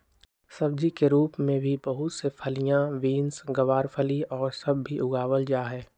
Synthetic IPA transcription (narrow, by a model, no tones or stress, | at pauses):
sɐb̚d͡ʒikeɾuːpmẽbʱibɐɦʊt̪sepʰɐlijãʋiːnsɡɐʋaːɾpʰəliɔːɾsɐbːʱiʔʊɡaːʋəld͡ʒaːɦɛː